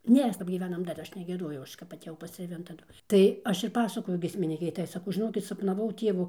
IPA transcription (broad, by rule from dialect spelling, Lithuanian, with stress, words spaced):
ˈnʲeːs kɐp ɡʲiːˈʋʲæːnɐm dɐr ˈɐʃ nʲɛɡʲiɛˈdoːjɛʊ ˈɐʃ kɐp ɐtʲeːˈjɛʊ pɐsʲtʲrʲeːˈʋʲɪn tɐˈdʊ tɐɪ ˈɐʃ ɪr ˈpɑːsɐkoːjʊ ɡʲiɛsʲmʲɪˈnʲiːkʲɛɪ ˈtɐɪ sɐˈkɐʊ ʒʲɪˈnoːkʲɪt sɐpnɐˈʋɐʊ ˈtʲiɛʋʊ